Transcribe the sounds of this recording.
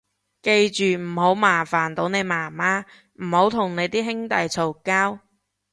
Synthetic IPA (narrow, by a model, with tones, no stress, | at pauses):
ke˧jt͡ʃyː˨˩m̩˨˩ho˨˥wmaː˨˩faː˨˩nt̪o˨˥wne˨˧jmaː˨˩maː˥ | m̩˨˩ho˨˥wt̪ʰʊ˨˩ŋne˨˧jt̪iː˥ɦɪ˥ŋt̪ɐ˨jt͡sʰo˨˩wkaː˥w